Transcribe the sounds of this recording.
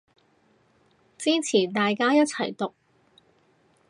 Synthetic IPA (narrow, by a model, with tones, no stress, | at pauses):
t͡siː˥t͡sʰiː˨˩t̪aː˨jkaː˥jɐ˥t̚t͡sʰɐ˨˩jt̪ʊ˨˩k̚